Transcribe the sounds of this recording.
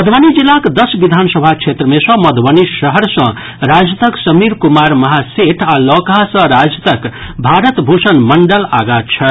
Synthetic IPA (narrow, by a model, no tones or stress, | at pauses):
mʌd̪ʱwanid͡ʒilːakd̪ʌsbid̪ʱansəbʱat͡ʃʰet̪ɾəmesʌ̃mʌd̪ʱbənisəɦəɾsʌ̃ | ɾad͡ʒət̪əksʌmiɾkumaɾmʌɦaseʈʰalɔkasʌ̃ɾad͡ʒt̪əkbʱaɾət̪bʱusənmʌɳɖəla̰ɡat͡ʃʰʌ